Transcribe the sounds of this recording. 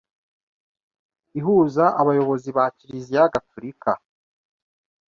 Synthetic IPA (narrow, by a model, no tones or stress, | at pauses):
iɦuːzaʔaβajo̞βo̞ziβaːciɾizijaɡafuɾikʰa